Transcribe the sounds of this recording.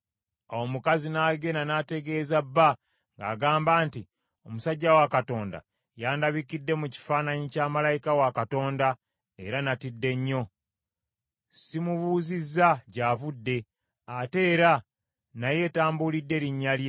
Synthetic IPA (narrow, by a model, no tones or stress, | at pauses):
aomukazinaːɡe̞nanate̞ɡe̞ːzabːa | ŋɡa̰ːɡaːmbaːnti | o̞musaɟːawakato̞ːnda̰ | jaːndaβikidːe̞muci̥faːnaɲicaːmalajikawakato̞ːnda | e̞̰ɾanatidːe̞ɲːo̞ | simuβuːzizːaɟaːvudːe̞ | ate̞ːɾa | naje̞ːtaːmbulidːe̞ɾiɲːalje